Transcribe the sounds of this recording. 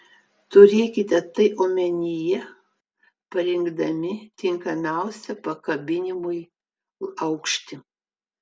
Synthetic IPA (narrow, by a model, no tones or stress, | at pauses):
t̪ʊɾʲeːkʲɪt̪ʲɛt̪ɐɪʔoːmʲɛnʲɪjɛ | pɐɾʲɪŋɡd̪ɐmʲɪt̪ʲɪŋkɐmʲæˑʊsʲɛpɐkɐbʲɪnʲɪmʊɪ | ɐʊkʃʲt̪ʲɪ